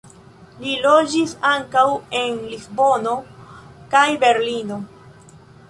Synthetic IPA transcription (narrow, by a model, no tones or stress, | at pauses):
lilo̞d͡ʒisaŋkawe̞nlisbo̞no̞kajbe̞ɾlino̞